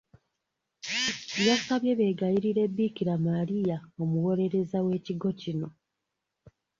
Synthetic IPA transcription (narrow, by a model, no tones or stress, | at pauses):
jasaβje̞βe̞ːɡajiɾiɾe̞bːiːkiɾamaɾijaomuwo̞le̞ɾe̞zawe̞ːciɡo̞cino̞